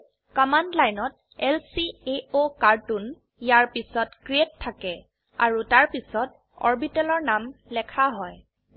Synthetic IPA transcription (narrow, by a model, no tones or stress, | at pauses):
kɔmandlajnɔt | ɛlsieokaɹtun | jaɹpisɔtkɹietʰːakɛ | a̰ɹutaɹpisɔt̚ | ɔ̰ɹbitɛlɔɹnamlɛkʰaɦɔj